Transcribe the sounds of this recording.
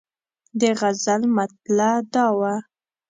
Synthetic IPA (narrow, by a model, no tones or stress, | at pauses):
d̪əɣazalmat̪̚lad̪ɑwa